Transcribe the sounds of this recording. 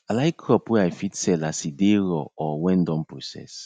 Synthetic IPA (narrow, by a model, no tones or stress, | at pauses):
alajikʰɾɔpweajfitsɛlasideɾɔɔwɛ̃ndɔ̃mpɾosɛ̰s